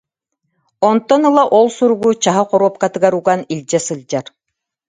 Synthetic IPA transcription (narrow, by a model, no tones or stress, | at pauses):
ɔnt̪ːɔnɯlˠaʔɔlˠsuɾuɡut͡ɕaɦaqɔɾuɔp̚kat̪ɯɡaɾuɡanilʲd͡ʑɛsɯlʲˠd͡ʑaɾ